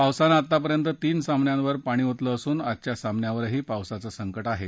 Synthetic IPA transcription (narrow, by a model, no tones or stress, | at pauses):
pawsanat̪ːap̬əɾjənt̪ət̪iːnsamnjãnʋəɾpaɽ̃iːɦot̪ləːsuːnat̪t͡ɕjasamnjaʋəɾɦiːpawsat͡səsəŋkəʈaɦe